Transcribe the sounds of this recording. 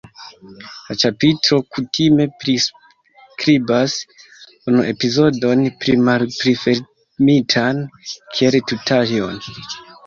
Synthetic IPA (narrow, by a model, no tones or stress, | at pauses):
lat͡ʃapitɾo̞kutime̞pɾis | kɾibas | unuʔe̞pizo̞do̞npɾimalpɾife | mitʰankʰieltutalio̰n